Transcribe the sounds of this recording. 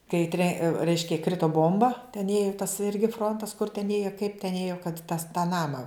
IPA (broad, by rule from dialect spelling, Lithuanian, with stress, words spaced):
kɐɪ tʲrʲɛ ˈrʲɛɪʃʲkʲɛ ˈkrʲɪtoː ˈboːmbɐ tʲɛn ˈeːjʊ tɐs ˈɪrʲɡʲɪ ˈfroːntɐs kʊr tʲɛn ˈeːjoː kɐɪp tʲɛn ˈeːjoː kɐt tɐs tɑː ˈnɑːmɐ